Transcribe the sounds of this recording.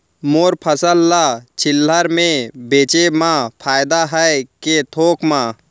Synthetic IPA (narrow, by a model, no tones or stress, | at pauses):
moːɾpʰəsəlːat͡ʃʰɪlːəɾmẽbeːt͡ʃemãpʰaːjd̪aɦəket̪ʰoːkmãː